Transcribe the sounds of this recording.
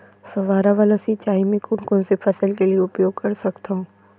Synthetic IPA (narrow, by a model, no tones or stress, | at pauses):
sɐʋaːɾaʋəlɐsit͡ʃaːimɪ̃kʊnkõsepʰɐsəlkelieʊpjoːɡ̚kɐɾsɐkt̪aɦũː